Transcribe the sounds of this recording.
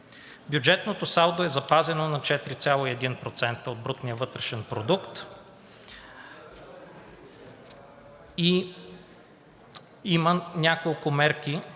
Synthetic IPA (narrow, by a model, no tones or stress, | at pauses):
bjud͡ʒɛt̪not̪osalˠd̪oɛzɐpazɛnonɐt͡ʃɛt̪ɾit̪sʲjalˠoiɛd̪inpɾot̪sɛnt̪əod̪̚bɾut̪nijəvɤt̪ɾɛʃɛnpɾod̪ukt̪ | i | imənʲakolˠkʊmɛɾki